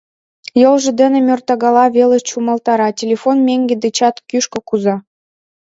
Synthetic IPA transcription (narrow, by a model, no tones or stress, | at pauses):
jolʒɤ̆d̪ɘ̆nĕmʲørt̪ɑɣɑlɑβelə̆t͡ɕumɑlt̪ɑɾɑtʲelʲefonmʲeŋɡʲĕd̪et͡ɕɑt̪kyʃkɤ̆kuzɑ